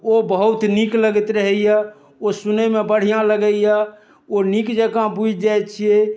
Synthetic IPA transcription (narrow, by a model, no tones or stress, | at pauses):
obəɦut̪nikləɡət̪ɾəɦɛja | osunəmebəɽ̤ijãləɡəja | onikd͡ʒəkãbud͡ʒd͡ʒajt̪t͡ʃʰije